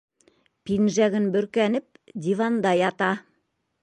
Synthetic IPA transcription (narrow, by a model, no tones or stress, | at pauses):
pinʒæɡɘnbɵ̆ɾkænɘp̚d̪ʲivɑnd̪ɑjɑt̪ɑ